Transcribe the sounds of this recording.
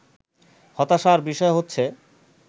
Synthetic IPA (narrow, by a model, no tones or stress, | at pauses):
hɔt̪aʃaɾbiʃɔeɦotːɕʰe